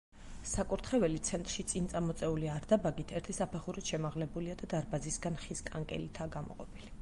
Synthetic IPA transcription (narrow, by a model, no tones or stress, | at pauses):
sakʼuɾt̪ʰχɛvɛlit̪sʰɛnt̪ʼɾʃit̪sʼint̪sʼamɔt̪sʼɛuliaɾd̪abaɡit̪ʰɛɾt̪ʰisapʰɛχuɾit̪ʃɛmaʁlɛbuliad̪ad̪aɾbazisɡanχiskʼaŋkʼɛ̰lit̪ʰaːɡamɔ̰qʼɔpʰili